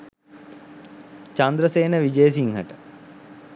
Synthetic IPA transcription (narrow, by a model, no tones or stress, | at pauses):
t͡ʃand̪ɾəseːnəʋid͡ʒejəs̬iŋɦə̰ʈə̥